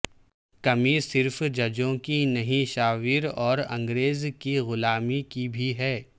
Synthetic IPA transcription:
kɐmisɪɾfd͡ʒɐd͡ʒõkinɐɦĩʃaːʋiːɾɔːɾɐ̰̃ŋɡɾeːzkiɣʊlaːmikibʱiɦɛː

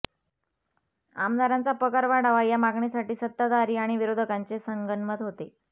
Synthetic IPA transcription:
a̰md̪ʱaɾant͡sapəkaɾʋaɽaʋajamaɡɳisaʈiːsət̪ːəd̪aɾiːaɽ̃iʋiɾod̪ʱəkant͡sesəŋɡənmət̪ɦot̪e

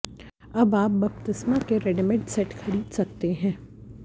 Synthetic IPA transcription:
ɐbaːp̚bɐpt̪ɪsmakeɾɛɖɪmẽʈsɛʈkʰɐɽiːd̪sɐk̚t̪eɦɛ̃ː

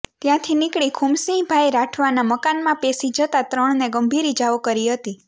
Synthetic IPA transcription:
t̪jãt̪ʰinɪkɭikʰumsĩbʱajɾaʈʰʋanaməkanmãpesid͡ʒət̪at̪ɾəɳ̃neɡəmbʱiɾid͡ʒaʋokəɾiɦət̪i

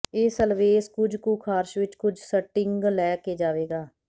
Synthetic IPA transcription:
eːsəlʋeːskʊd͡ʒkuːkʰaːɾʃʋɪt͡ʃkʊd͡ʒsəʈɪŋɡlɛːkeːd͡ʒaːʋeːɡaː

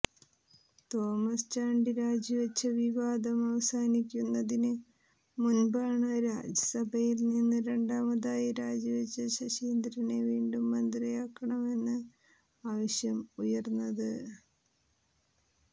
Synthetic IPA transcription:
t̪o̞ːmɐst͡ɕaːɳɖiɾaːd͡ʑiʋɐt͡ɕːɐʋiʋaːd̪ɐmɐʋɐsaːnikʲːunːɐðinɨ | munbaːɳɨɾaːd͡ʑɐsɐbʱɐjilninːɨɾe̞ɳɖaːmɐðaːjiɾaːd͡ʑiʋɐt͡ɕːɐɕɐɕiːnd̪ɾineʋiːɳɖumːɐnd̪rijaːkːɐɳɐme̞nːɨ | aːʋɐɕjɐmujɐrnːɐðɨ

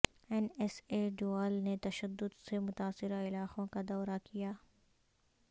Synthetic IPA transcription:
ɛnɛseːɖoaːlnet̪ɐʃəd̪ːʊd̪semʊt̪aːsɪɾaɪlaːqõkad̪ɔːɾakijaː

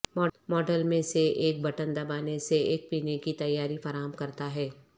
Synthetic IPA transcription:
mɔːmɔːɖəlmẽseʔeːk̚bɐʈənd̪ɐbaːneseeːk̚piːnekit̪ɐjːaːɾifɐɾaːɦəmkɐɾt̪aɦɛː

